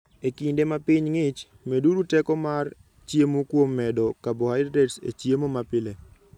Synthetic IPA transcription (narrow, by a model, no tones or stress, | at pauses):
ekindemapiɲŋɪt͡ʃ | meduɾutɛkɔmar | t͡ʃjemokwomːɛdɔkabohaɪdɾɛtsḛt͡ʃjemomapɪle